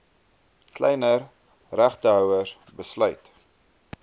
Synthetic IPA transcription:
klɛjnər | ræχtəɦœwər | bəslœɥt

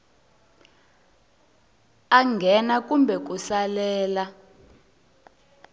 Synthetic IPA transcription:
aŋɡʱɛnakumbʱɛk̬usalɛːla

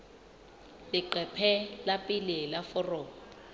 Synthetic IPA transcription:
lɪǃɛpʰɛlapʼilɪlafɔrɔːɔ

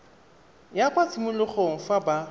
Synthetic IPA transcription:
jakʼwat͡sʰimʊlʊχɔŋ̩faba

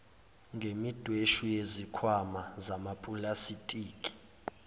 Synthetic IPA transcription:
ŋɡʱemid̥ʱweʃujezikʰwamazamapʼulasitʼiːkʼi̥

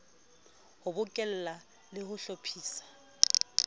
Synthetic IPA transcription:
hʊbʊkʼɪl̩la | lɪhʊɬopʰiːsḁ

